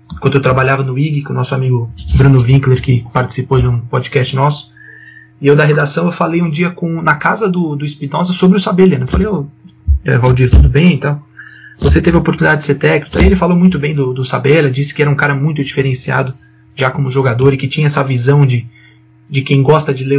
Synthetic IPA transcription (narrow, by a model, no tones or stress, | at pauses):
kwɐ̃d̪ʊewt̪ɾabaʎavɐnʊiɡɪkõnɔsʊamiɡʊbɾũnʊvĩkleɾkɪpaɾt͡ʃɪ̥sipowd͡ʒɪũpod͡ʒikɛst͡ʃɪnɔsʊ̥ | ɪewd̪ɐɦed̪asɐ̃w̃ewfalejũd͡ʒiɐkõnɐkazɐd̪ʊd̪ʊispinɔzɐsobɾɪʊsabeljɐnɛ̃falejewɛvawd͡ʒiɾt̪ud̪ʊbẽj̃ẽnt̪ɐ̃w̃voset̪evɪopoɾt̪unid̪ad͡ʒɪd̪ɪseɾt̪ɛkni̥kaielɪfalowmũj̃t̪ʊbẽj̃d̪ʊd̪ʊsabelɐd͡ʒisɪ̥kɪɛɾɐũkaɾɐmũj̃t̪ʊd͡ʒifeɾẽsia̰d̪ʊ | ʒakõmʊʒoɡad̪oɾɪkɪt͡ʃĩɲɐɛsɐvizɐ̃w̃d͡ʒɪ | d͡ʒɪkẽj̃ɡɔst̪ɐd͡ʒɪle